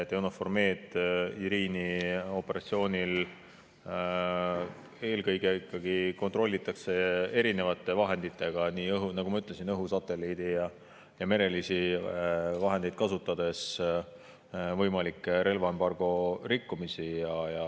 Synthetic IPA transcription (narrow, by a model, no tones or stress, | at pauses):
t̪ewnofo̞rmeːd̪iɾiːnio̞pːe̞ɾʔɑ̰t̪sio̞ːnil | e̞ːlkɤjɡe̞ikːɑɡiko̞nt̪ˑro̞lːit̪ːˑɑkse̞e̞ɾine̞vɑt̪ːˑe̞vɑɦe̞nd̪̥it̪ːˑe̞ɡ̥ɑniːɤɦunɑɡ̥umɑyt̪ːˑle̞sinɤɦusɑt̪ːˑe̞lid̪ijɑ | jɑme̞ɾe̞lisi | vɑɦe̞nd̪ed̪̚kɑsut̪ːˑɑd̪̥e̞s | vɤjmɑlikːˑeɾe̞lvɑembɑrɡ̥o̞ɾikːumisijɑjɑ